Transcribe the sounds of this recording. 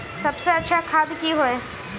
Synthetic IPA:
sɐbseɐtːʃʰakʰaːd̪kiɦoɛ̃ː

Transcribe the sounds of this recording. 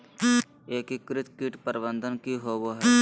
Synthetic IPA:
eːkikɾɪt̪kiʈpəɾɪbə̃nd̪ʱənkiɦoːboːɦɛ

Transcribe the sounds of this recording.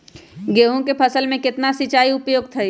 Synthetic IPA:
ɡeːɦõkepʰɐsəlmẽkɪt̪nasit͡ʃaːiʊpjoːɡ̚t̪ʰɐi

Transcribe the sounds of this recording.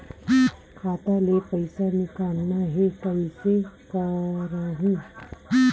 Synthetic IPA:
kʰaːt̪alepəɪsanɪkaːnnaɦekəɪsekɐɾaɦũ

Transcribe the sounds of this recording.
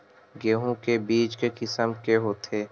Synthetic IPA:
ɡeːɦõkebiːt͡ʃkekɪsəmkeɦoːt̪ʰeː

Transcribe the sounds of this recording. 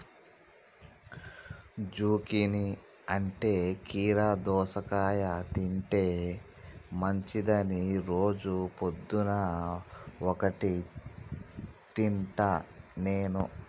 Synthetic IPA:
d͡ʒuːkini | ɐɳʈe̞ːkiːɾaːd̪ɔːsɐkaːjɐt̪iɳʈe̞ː | mɐɲt͡ʃid̪ɐniɾo̞ːd͡ʒupod̪ːunɐ | ɔkɐʈi | t̪iɳʈɐne̞ːnu

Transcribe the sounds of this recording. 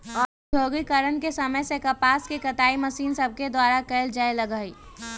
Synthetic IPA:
ɔːoːɡikəɾənkesəməjsekɐpaːskekət̪aːiməsiːnsəb̚ʱked̪waːɾakeːld͡ʒaeləɡəːi

